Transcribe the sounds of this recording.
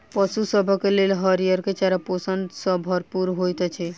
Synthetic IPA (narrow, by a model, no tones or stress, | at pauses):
pɔsusɔbʱɔkelelɦəɾijəɾket͡ʃaɾapɔsənd̪sɔbʱɔɾpuɾɦojt̪ɔt͡ʃʰɛ